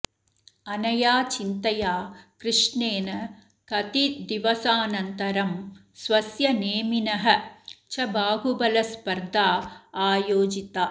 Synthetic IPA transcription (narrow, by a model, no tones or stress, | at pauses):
ɐnɐjaːt͡ʃint̪ɐjaːkɾɨʂneːnɐ | kɐt̪id̪iʋɐsaːnɐnt̪ɐɾɐm | sʋɐsjɐneːminɐɦɐ̆t͡ʃʰɐbʱaːɡubɐlɐspɐɾd̪ʱaːaːjoːd͡ʒit̪aː